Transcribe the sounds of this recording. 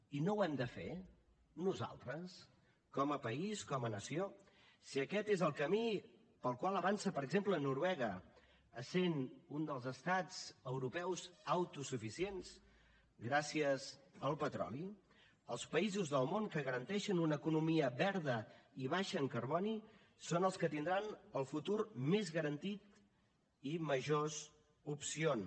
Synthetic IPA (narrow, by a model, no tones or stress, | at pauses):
inowɛmd̪əfḛ | nuza̰lˠt̪ɾəs | kɔməpəiskɔmənəsio | siəkɛt̪ezəlˠkəmi | pəlˠkwalˠəβansəpəɾəɡzemplənuɾwɛɣə | əsenund̪əlˠzəst̪ad͡zəwɾupɛwzəwt̪usufisienz̥ | ɡɾasiəzəlˠpət̪ɾɔ̰li | əlˠspəizuzðəlˠmoŋkəɣəɾənt̪ɛʃənunəːkunumiəβɛɾðəiβ̞aʃəːŋkərβɔni | sonəlˠskət̪ind̪ɾanəlˠfut̪urmezɣəɾənt̪it̪ | iməʒoz | upsion